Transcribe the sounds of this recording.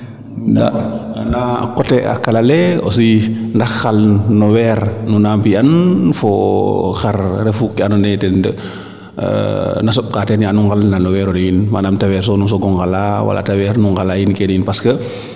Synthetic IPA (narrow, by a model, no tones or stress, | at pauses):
da̰na̰kɔtɛa̰kːalalɛɔ̰s̬ijindɐxːalnɔwɛːɾnunaːmpiɐnfɔxarɾɛfukːianunɛtɛndə̰ | nas̬ɔɓ̚katɛnjanuŋɡalnanɔwɛːɾɔdɔjinmanamtawɛːɾs̬ɔnus̬ɔɡɔŋɡalawa̰la̰tawɛːɾnuŋɡalaːjinkɛnjinpaskə